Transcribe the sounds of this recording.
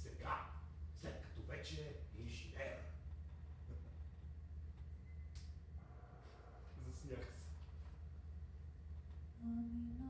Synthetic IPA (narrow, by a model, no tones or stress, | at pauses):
sɛɡaslɛt̪̚kɐ̥t̪ɔvɛt͡ʃɛiʒinɛə | zɐsnʲaxsɛ̥ | amin